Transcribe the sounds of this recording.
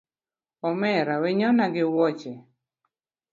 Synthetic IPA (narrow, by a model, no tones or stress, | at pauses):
ɔmɛɾaweɲɔnaɡɪwɔt͡ʃe